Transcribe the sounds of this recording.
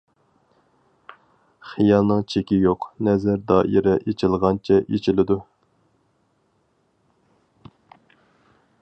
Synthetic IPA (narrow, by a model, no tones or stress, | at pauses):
χijɑlˠnɨŋt͡ʃʰekʲijoqnɛzæɾd̪ɑːʔiɾɛʔet͡ʃʰɪlˠʁɑnt͡ʃʰɛʔet͡ʃʰilɪd̪u